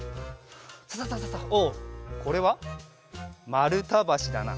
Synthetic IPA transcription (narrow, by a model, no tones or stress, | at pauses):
sasasasasaoːkʰo̞ɾe̞βa | maɾɯ̟t̪abaɕid̪a̰na̰